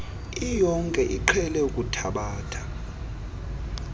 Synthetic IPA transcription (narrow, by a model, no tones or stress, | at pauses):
ijɔŋkʼɛʔiǃʰɛlɛukʼutʰaɓaːtʰḁ